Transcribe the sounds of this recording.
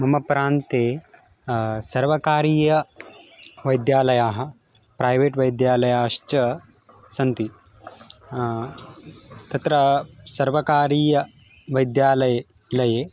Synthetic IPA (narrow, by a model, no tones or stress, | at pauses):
mɐmɐpɾaːnt̪e | sɐɾʋɐkaːɾiːjɐ | ʋɐjd̪jaːlɐjaːɦɐ | pɾajʋeːʈʋɐjd̪jaːlɐjaːʃt͡ʃɐ | sɐnt̪i | t̪ɐt̪ɾɐsɐɾʋɐkaːɾiːjɐ | ʋɐjd̪jaːlɐj | lɐje